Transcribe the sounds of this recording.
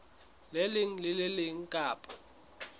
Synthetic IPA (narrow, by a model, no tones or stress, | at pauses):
lɛlɪŋ̩lɪlɪlɪŋ̩kʼaːpʼḁ